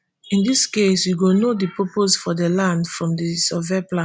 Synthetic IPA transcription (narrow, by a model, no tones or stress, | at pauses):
ĩndiskeswiɡonodipoposfɔdelãndfɹɔ̃mdisɔvɛplã